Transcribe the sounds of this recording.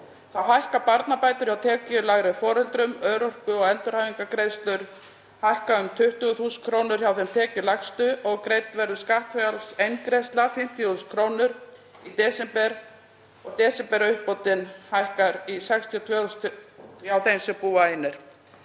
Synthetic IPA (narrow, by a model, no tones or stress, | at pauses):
θawɦajhkapaɾt̪napaːjt̪ʏɾ̥çjawt̪ʰɛːcɪlaɣɾɪfɔːɾɛlt̪ɾʏmœːɾɔr̥kʏɔɣɛnt̪ʏɾhajviŋkakɾejst̪lʏɾ | hajhkaʏmt̪ʰʏht̪ʏɣʏθuːsʏnkʰɾoːwnʏɾ̥çawθɛmt̪ʰɛːcɪlaxst̪ʏʔɔɣkɾeːjt̪vɛɾðʏskaht̪fɛalsejnkɾest̪lafɪm̥t̪ʰjɔθuːskʰɾoːwnʏɾ | it̪ɛːsɛmpɛɾ | ɔɣt̪ɛːsɛmpɛɾʏhpɔwt̪ɪnhajhkaɾisɛkst̪ʰiɔt̪ʰvɛːst̪çawθejmsɛpuːaenːɪɾ̥